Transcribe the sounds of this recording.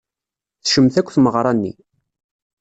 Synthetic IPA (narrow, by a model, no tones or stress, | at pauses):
θʃəmθækʷːθməʁɾˤɑnːḭ